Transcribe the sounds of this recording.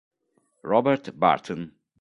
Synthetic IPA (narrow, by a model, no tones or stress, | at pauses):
ɹɔbɛɾt̪ba̰ɹt̪ʰə̃n